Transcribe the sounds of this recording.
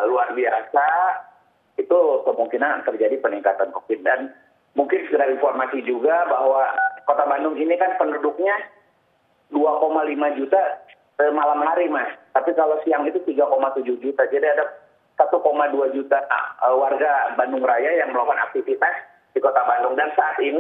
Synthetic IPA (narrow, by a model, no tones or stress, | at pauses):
luarbiasa | it̪ukəmuŋkinant̪ərd͡ʒadipəniŋkat̪ankofɪt̚dan | muŋkɪnsəɡəɾalinformasid͡ʒuɡabahwakot̪abandʊŋinikanpəndudʊk̚ɲa | duakomalimad͡ʒut̪a | səmalamhaɾimast̪apikalosiaŋit̪ut̪iɡakomat̪ud͡ʒʊhd͡ʒut̪ad͡ʒadiada | sat̪ukomaduad͡ʒut̪aəwarɡabandʊŋrajajaŋməlokana̰k̚t̪ifit̪as | dikot̪abandʊŋdansaːt̪ini